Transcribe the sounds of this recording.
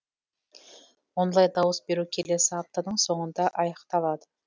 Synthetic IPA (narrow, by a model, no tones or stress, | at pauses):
wonlˠɑjd̪ɑwəsbe̞ɾukʲʰe̞le̞sɪɑp̚t̪ɑd̪əɴso̞ɴənd̪ɑʔɑjɑqt̪ɑlˠɑd̪ə